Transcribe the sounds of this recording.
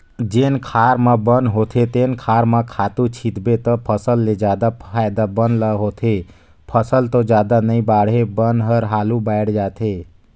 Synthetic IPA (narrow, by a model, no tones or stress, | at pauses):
d͡ʒenkʰaɾməbənɦot̪ʰet̪enkʰaɾməkʰat̪ut͡ʃʰit̪bet̪əpʰəsəlːed͡ʒad̪apʰajd̪abənləɦot̪ʰe | pʰəsəlt̪od͡ʒad̪anəĩbaɽ̤ɦebənɦəɾɦalubaɪɽd͡ʒat̪ʰe